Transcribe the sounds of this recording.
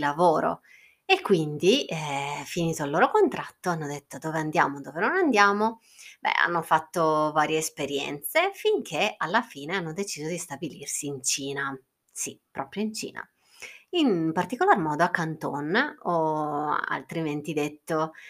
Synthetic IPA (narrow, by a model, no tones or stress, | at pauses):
lavoːɾo̰ | ekːwind̪i | finiːt̪oalːoːɾokont̪ɾat̪ːoanːod̪et̪ːod̪oːveand̪ja̰ːmod̪oːvenonand̪jaːmo | bɛ̰a̰nːofat̪ːovaːɾjeːspeɾjɛ̰nt̪sefiŋk̟ʰealːafiːneanːod̪et͡ʃiːzod̪ist̪abilirsiːnt͡ʃiːna | sipɾɔːpɾjoint͡ʃḭːna̰ | inpart̪ikolarmɔːd̪oakːant̪onɔ | a̰lt̪ɾiment̪id̪et̪ːo